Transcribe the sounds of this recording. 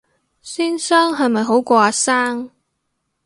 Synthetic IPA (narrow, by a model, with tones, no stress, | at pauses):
siː˥nsœː˥ŋɦɐ˨jmɐ˨jɦo˨˥wkʷɔː˧aː˧saː˥ŋ